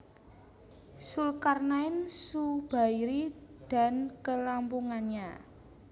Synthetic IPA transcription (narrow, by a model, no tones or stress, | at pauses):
sulkarnaɪnsub̥a̤iɾid̪̥a̤nkəlampuŋanɲa